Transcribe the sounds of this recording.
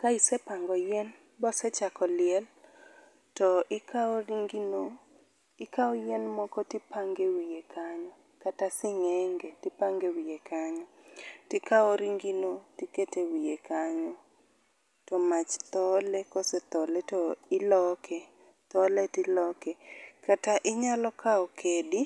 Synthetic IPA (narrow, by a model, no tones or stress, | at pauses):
kaisɛpaŋɡɔjɛn | bɔsɛt͡ʃakɔlɪɛl | tɔʔɪkaoɾiŋɡino | ɪkaɔjɛnmɔkɔtipaŋɡewijekʰaɲɔ | katasɪɲɛŋɡetipaŋɡewijekʰaɲɔtɪkaoɾiŋɡinotiketewijekaɲɔ | tɔmat͡ʃt̪ɔlekɔsɛt̪ɔlɛtɔɪlɔkʰɛ | t̪ɔletɪlɔkɛkataʔɪɲalɔkaɔkʰedi